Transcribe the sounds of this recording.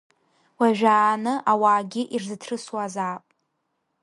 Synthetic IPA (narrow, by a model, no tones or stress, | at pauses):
waʒᶣaːnɨʔawaːɡʲɪʔirzɨtʰrɨswazaːpʼ